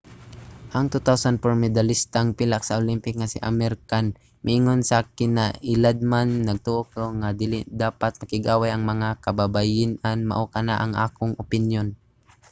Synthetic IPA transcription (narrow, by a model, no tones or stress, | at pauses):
ʔɐŋt̪ut̪awsanpoɾmɪd̪alɪst̪aŋpɪlak̚sɐʔolimpɪk̚ŋasɪ̰ʔamɛɾkan | mʔɪʔɪŋonsakɪnːaʔɪlad̪̚manːɐɡ̚t̪uʔokoŋad̪ɪlɪd̪aːpat̪̚mɐkɪɡʔaːwajʔɐŋmɐŋakɐbabajɪnʔanmɐ̰ʔokɐnaʔɐŋʔa̰ːkʊŋʔʊpɪnjon